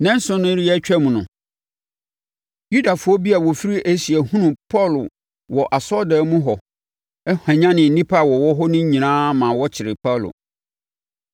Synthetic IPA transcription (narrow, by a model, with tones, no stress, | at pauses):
nɛ̃˦n̩˦sʊ̃˦nʊ̃˦ɾi˦ɛ˦t͡ɕᶣɛ˦mũ˨nʊ̃˨ | ju˦da˨fʊ˨˦ɔ˦bi˦a˨wɔ˨fi˦ɾi˦ʔæ˦si˨ɛ˨hũ˦nʊ̃˨pʰɔ˦˨l | wɔ˨ʔa˨sɔ˦dɛ˨˦mũ˦ɦɔ˨ | ɛ˦hã˨ɲã˦nɪ̃˨n̩˨nĩ˦pʰa˦˨wɔ˨wɔ˦ɦɔ˦nʊ̃˦ɲĩ˨nãː˦mã˨wɔ˦t͡ɕʰɪ˨ɾɪ˨pʰa˦˨lʊ̰˨